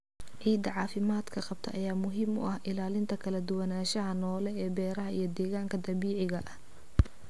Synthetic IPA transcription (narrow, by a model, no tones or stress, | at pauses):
ʕiːd̪ɐʕɑːfɪmaːd̪kʰɐqɑb̚t̪ʰɐ̰ʔɐjaːmʊɦɪmʊ̰ʔɐhʔɪlaːlɪnt̪ʰɐkʰɐlɐd̪ʊwɐnaːʃɐɦɐnɔːlɛɛːbɛːɾɐɦɐʔijɞd̪ɛːɣaːŋkʰɐd̪ɐβiːʕɪɣɐʔɐh